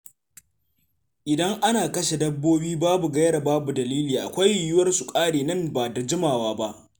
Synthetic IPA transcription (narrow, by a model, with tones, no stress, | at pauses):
ʔɪ˨dɐ˦ŋʔa˦naː˨kɐ˦ʃe˨dɐ˦bːoː˦biː˦baː˦bu˨ɡɐ˦jɽa˨baː˦bu˨dɐ˨liː˦liː˨ʔa̰˨kʷa˦jrɪ˨jʊ˦wɐ˦rsu˨kʼaː˦ɽeː˨nɐ˦˨mbaː˨da˨d͡ʒɪ˦maː˨waː˦ba˦ʔ